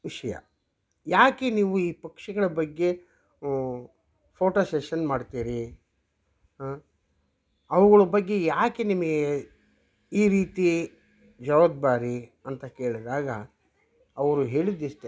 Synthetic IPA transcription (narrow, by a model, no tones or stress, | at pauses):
ʋiʂɐjɐ̰ | jaːke̞niːʋuiːpɐkʂɐɡɐɭɐbɐɡːe̞ | pʰoːʈoːseʃɐnmaːɖt̪iːɾi | ɐʋuɡɐɭɐbɐɡːe̞jaːke̞nimɐɡee | iːɾiːt̪i | d͡ʒɐʋɐd̪baːɾiɐnt̪ɐke̞ːɭid̪aːɡɐ | ɐʋɐɾuɦeːɭid̪ist̪e